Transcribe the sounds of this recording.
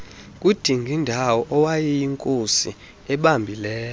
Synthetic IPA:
kʼud̥ʱiŋɡʱindʱawɔʔɔwajɛjiŋkʼosi | ɛɓambʱilɛːl

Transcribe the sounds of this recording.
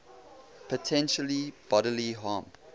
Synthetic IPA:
pʰətʰɛ̃nʃəlib̥ɔɾəliɦɑ̃ːm

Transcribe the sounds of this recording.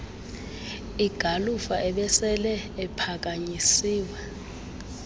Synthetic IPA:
iɡ̥ʱalufaʔɛɓɛsɛlɛɛpʰak̬aɲisiːwɛ

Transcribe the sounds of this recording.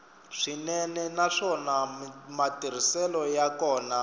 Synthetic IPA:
ʂinɛnɛnaʂɔnamatiɾ̤isɛlɔjakɔːna

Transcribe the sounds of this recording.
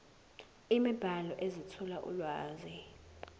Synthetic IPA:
imib̥ʱalɔʔezitʰɔlaʔṵlwaːzi

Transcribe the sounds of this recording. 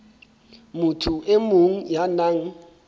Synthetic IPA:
mutʰuʔemoŋ̩janaŋ̩

